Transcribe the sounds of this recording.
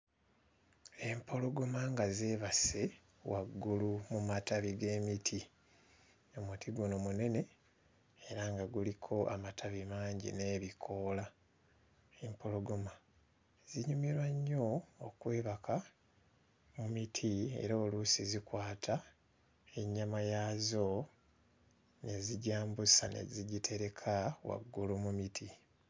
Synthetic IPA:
e̞mpʰo̞lo̞ɡomaŋɡazeːβase̞ | waɡːulumumataβiɡe̞ːmitʰi | omutʰiɡunomune̞ne̞ | eɾaŋɡaɡulikʰo̞ʔamatʰaβimaːɲɟḭne̞ːβikʰo̞ːla | empo̞lo̞ɡoma | ziɲumiɾwaɲːo̞ːkwe̞ːβakʰa | mumitʰie̞̰ɾoːlusizikwaːtʰa | e̞ɲːamajazo̞ | ne̞ziɟaːmbusanḛziɟitʰe̞ɾe̞kʰawa̰ɡːulumumitʰi

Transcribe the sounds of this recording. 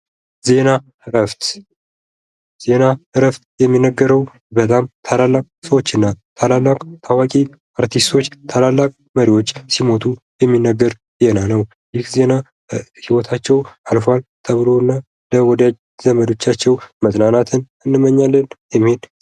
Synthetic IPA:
ze̞na | ɾəft̪ | ze̞nahɨɾəft̪jɛmːinːəɡːəɾəw | bət̪ʼamt̪ʰalalːakʼsəwo̞t͡ʃːɨnːat̪ʰalalːakʼt̪ʰawakʼi | aɾt̪ʰist̪ʰo̞t͡ʃːt̪ʰalalːakʼ | məɾiwo̞t͡ʃːsimo̞t̪ʰu | jɛmːinːəɡːəɾ | ze̞nanəw | jɪhze̞na | hiwɔt̪ʰat͡ʃːɛwʔalfalt̪ʰəβɨlo̞nːa | ləwɔd̪jad͡ʒ | zəməd̪o̞t͡ʃːat͡ʃːɛwmət̪ʼnanat̪ʰɨn | ɨnːɨmːəɲːalːənjɛmhen

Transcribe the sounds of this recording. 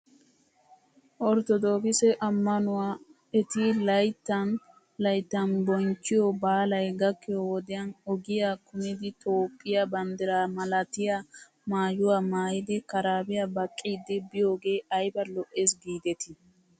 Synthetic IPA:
ʔɔɾt̪ɔd̪oːkɪsɛʔɐmːɐnʊwa | ɛt̪ɪlɐjt̪ːɐn | lɐjt̪ːɐnbɔŋt͡ʃːɪjɔbaːlɐjɡɐkːɪjɔwɔd̪ɪjɐnɔɡɪjakʊmɪd̪ɪt̪ʰoːpʼːɪjɐbɐnd̪ɪɾamɐlɐt̪ɪja | maːjʊwamaːjɪd̪ɛkɐɾaːbɪjabɐkʼːiːd̪ːɪbɪjo̞ːɡe̞ːʔɐjbɐlɔʔeːs̬ɡiːd̪ɛt̪ɪ

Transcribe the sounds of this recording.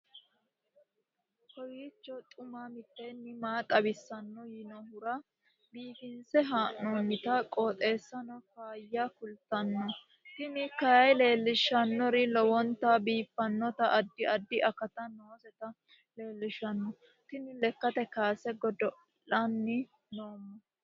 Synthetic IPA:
kɔjiːt͡ʃːɔt̪ʼʊmamɪt̪ːɛnːɪmaːt̪ʼɐbɪsːɐnːɔjɪnɔɦʊɾɐ | biːfɪnsɛɦaːʔːoːnːɪt̪ɐkʼoːt̪ʼe̞ːsːɐnɔkaːjːakʊlt̪ːɐnːɔ | t̪ɪnɪkɐjɐjle̞ːlːɪʃɐnːɔɾɪlɔwɔnt̪ɐbiːfːɐnːɔt̪ɐʔɐd̪ːɪɐd̪ːɪʔɐkːɐt̪ɐnoːsɛt̪ɐ | le̞ːlːɪʃɐnːɔ | t̪ɪnɪlɛkːɐt̪ɛkaːsɛɡɔd̪ɔ | lɐnːɪ | noːmːɔ

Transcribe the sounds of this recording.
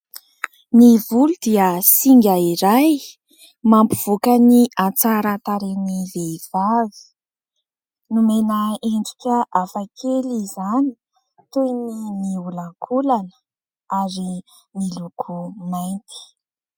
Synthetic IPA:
nivulud̪iəsiŋɡʲaiɾaj | mampuv̥okəniat͡saɾat̪aɾeniveiv̥avi̥ | numenəeɳɖ͡ʐikʲəʔafakʰelizani̥ | t̪uinimiulaŋkʰulanə̥ | aɾi | milukʰumajnt̪i̥

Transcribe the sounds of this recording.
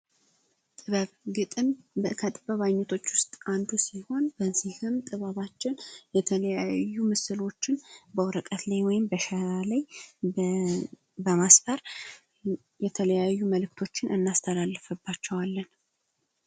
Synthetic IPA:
t̪ʼɨβəβɡɨt̪ʼɨməkʰət̪ʼɨβəβajɲːɛt̪ʰo̞t͡ʃːwʊst̪ʼand̪usiho̞nbənsihɨmt̪ʼɨβəβat͡ʃːɪnjɛt̪ʰələjajːumɨsɨlo̞t͡ʃːɪnbəwɾəkʼət̪lajwɔjɪmbəʃɛɾalaj | bəmasfəɾ | jɛt̪ʰələjajːuməlɨk̚t̪ʰo̞t͡ʃːɪnʔɨnːast̪ʰəlalːɨfɨbːat͡ʃːɛwalːən

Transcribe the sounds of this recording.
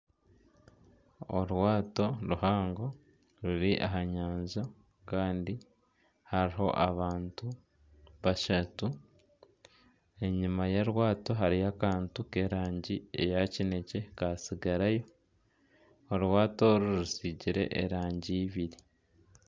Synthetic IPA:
o̰ɾwaːto̞ɾuhaːŋɡo̞ | ɾuɾiʔa̰ɦaɲaːɲza | kaːndi | haɾiɦo̞̰ʔaβaːntu | βaʃatu | e̞ɲimajaɾwaːto̞ɦaɾiakaːntuke̞ɾaːɲɟiḛjacine̞ce̞kasiɡaɾajo̞ | ɾwaːtoɾuɾusiɟiɾe̞̰ʔḛɾaːɲɟiːβiɾi

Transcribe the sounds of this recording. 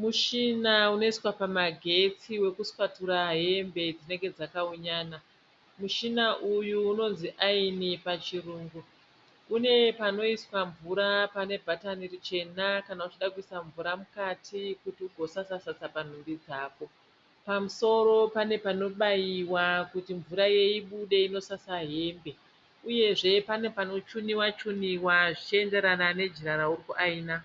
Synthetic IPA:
muʃinauno̞iswapamaɡʱe̞t͡siwe̞kuswatuɾaɦe̞mbe̞d͡zine̞ŋɡe̞d͡zakauɲaːna | muʃinaʔujuːno̞nziʔainipat͡ʃiruːŋɡu | une̞pano̞iswaɱvuɾapane̞bʱatanirit͡ʃe̞nakanaut͡ʃiɗakuisaɱvuɾamukatʰikutiuɡʱo̞sasasasapan̤umbid͡zaːko̞ | pamuso̞ɾo̞pane̞pano̞ɓajiwakutiɱvuɾaje̞iɓuɗe̞ino̞sasaɦe̞mbe̞ | uje̞ʐe̞pane̞pano̞t͡ʃuniwat͡ʃuniwaʐit͡ʃie̞nde̞ɾanane̞d͡ʒiɾaɾauɾikuʔaiːna

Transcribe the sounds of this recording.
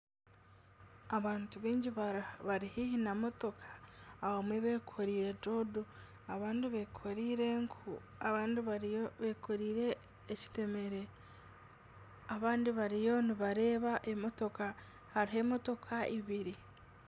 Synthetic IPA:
aβaːntuβiːɲɟiββaɾihihinamoto̞kʰḁːwomweβe̞ːkʰoɾiːɾe̞d͡ʒodu | aβaːndiβekʰoɾiːɾeŋkʰu | aβaːndiβaβekʰoɾiːɾe̞ː | ci̥te̞me̞ɾe̞ | aβaːndiβaɾijo̞niβaɾe̞ːβaʔemo̞to̞ka | haɾiɦe̞mo̞to̞kʰaiβiɾi

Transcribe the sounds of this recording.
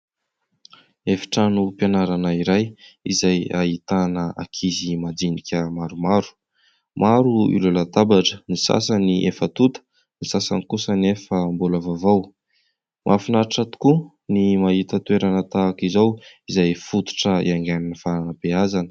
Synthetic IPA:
efi̥ʈ͡ʂanupjanaɾanaiɾajizaja̰ɦit̪anəa̰kʰizimad̪inikʲəmaɾumaɾu̥ | mʔaɾuḭlulat̪abaʈ͡ʂənisa̰saniʔefət̪ut̪ə̥ | nisasa̰nikusənefəmbuləvavaw | mʔafinaʈ͡ʂat̪u̥ku | nimaɦit̪ət̪ueɾanət̪akizawizajfut̪u̥ʈ͡ʂəḭaŋɡananifananapeazanə̥

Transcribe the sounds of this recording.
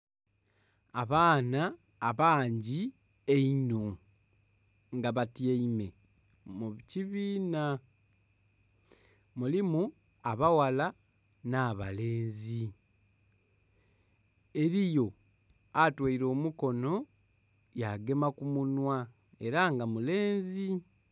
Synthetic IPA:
aβaːnaː | βaːɲɟi | einu | ŋɡaβatjeime̞ | muciβiːna | mulimu | aβawala | naːβa̰leːnzi | e̞ɾijo̞ | atwaiɾo̞ːmuko̞no̞ | jaɡe̞makumunwa | eɾaŋɡamule̞ːnzi

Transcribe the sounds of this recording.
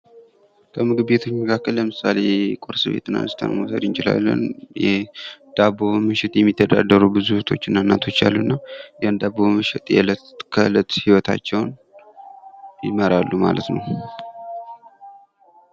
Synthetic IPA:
kʰəmɨɡɨβe̞t̪ʰo̞t͡ʃːməkʰakːəlːəmɨsale̞kʼoɾsɨβe̞̰t̪ːɨna̰nɨst̪ʰə̰nmusəd̪ɨnt͡ʃɪla̰lːə̰njɛd̪̥aβomɨʃɪt̪jɛmːit̪ʰːəd̪a̰d̪əɾubɨzut̪ʰo̞t͡ʃːɪnːanːat̪ʰo̞t͡ʃːa̰lːunːajand̪aβomɨʃɪt̪ʼjɛ̰lə | kʰələt̪hiwɔt̪ʰa̰t͡ʃːɛwn | jɪməɾalːuma̰lət̪nəw

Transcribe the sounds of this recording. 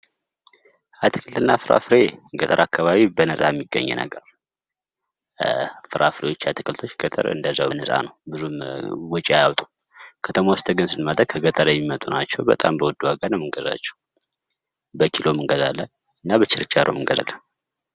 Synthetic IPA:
at̪ʰɨ̥kʰɨlt̪ɨnːafɨɾʔa̰fɨɾeɡət̪ʼəɾʔakːaβaβibənəsʼajɛmːiɡːə̰ɲːɛ̰nə̰ɡəɾ | fɨɾʔafɨɾe̞wot͡ʃːat̪ʰɨkɨlt̪ʰot͡ʃːɡ̥ət̪ʼə̰ɾɨ̰nd̪əzːaənəsʼa̰nəwbɨzumwɔt͡ʃʼiajawt̪ʼu | kʰət̪ʰəmawɔst̪ʰəɡɨnsɨnmad̪əkʰəɡət̪ʼəɾjɛmːimət̪ʼunat͡ʃːɛwbə̰t̪ʼambəwɔd̪ːuwaɡanəwmɨŋɡəza̰t͡ʃːɛ̥w | bəkʰilo̞mɨŋɡəzalːən | ɨnːabət͡ʃːɪɾɨt͡ʃːaɾʔo̰mɨŋɡəza̰lːən

